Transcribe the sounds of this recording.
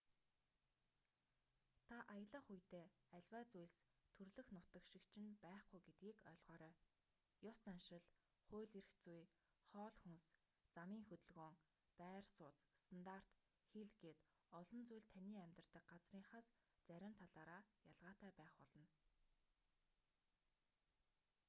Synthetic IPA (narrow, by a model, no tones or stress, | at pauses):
t̪ʰaʔajə̆ɮə̆χujt̪eːæɮʲwaːt͡sujst̪ʰɵrɮɵ̆xnʊt̪ə̆kʃɪ̆kt͡ɕʰɪ̆npæːχɡujɡet̪ɡiːkœɮʁœːɾœː | jʊst͡sanʃɪ̆ɮ | χʊːɮirxt͡suj | χɔːɮxuns | t͡samiːŋxɵt̪ɵ̆ɮɣoːŋ | pæːrsʊːt͡sst̪ʰant̪ar̥t̪ | xiɮɡeːt̪ | ɔɮɞ̆nt͡sujɮt̪ʰæniːæmʲt̪ər̥t̪ə̆k̚ɢat͡sriːŋχə̆s | t͡sæɾʲɪ̆mt̪ʰaɮaːɾaːjaɮʁaːt̪æːpæːχpɔɮɞ̆n